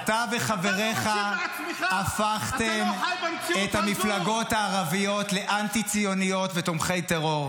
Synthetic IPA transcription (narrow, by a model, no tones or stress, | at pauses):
t̪aveχave̞ʁeχa | afaχt̪e̞m | et̪hamiflaɡo̞thaːʁavijo̞t̪le̞ʔantit͡sijo̞nijo̞tvet̪omχe̞jteʁo̞ʁ